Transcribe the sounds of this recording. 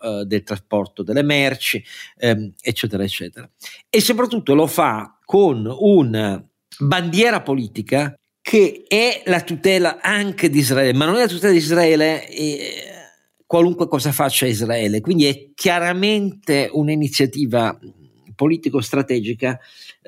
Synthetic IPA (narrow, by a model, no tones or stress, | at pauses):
d̪elt̪ɾaspɔrt̪od̪elemɛrt͡ʃi | ɛt͡ʃːɛːt̪eɾaet͡ʃːɛ̰ːt̪eɾaesːop̬ɾat̪ːut̪ːolofakʰonuna | band̪jɛːɾapoliːt̪ika | kʰeɛlat̪ut̪ɛːlaaŋked̪izɾaɛːlemanːonɛlat̪ut̪ɛːlad̪izɾaɛːle | kwaluŋkwekɔːzafat͡ʃːaizɾaɛːlekwind̪iɛkʰːjaɾament̪eunainit̪sːjat̪iːva | poliːt̪ikost̪ɾat̪ɛːd͡ʒika